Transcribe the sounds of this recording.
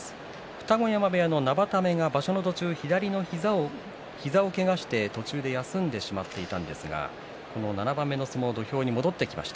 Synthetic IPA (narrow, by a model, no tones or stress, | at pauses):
ɸɯ̟̥t̪aɡo̞jamabe̞jano̞nabat̪ame̞ŋabaɕo̞no̞t̪o̞t͡ɕɨːçid̪aɾʲino̞ | çizao̞ke̞ɡaɕi̥t̪e̞t̪o̞t͡ɕɨːd̪e̞jasɨ̃nd̪e̞ɕimat̪ːe̞it̪ãnd̪e̞sɨɡa̰ | ko̞no̞nanabãmːe̞no̞sɨmo̞d̪o̞çʲo̞ːɲ̟imo̞d̪o̞t̪ːe̞kʲima̰ɕi̥t̪a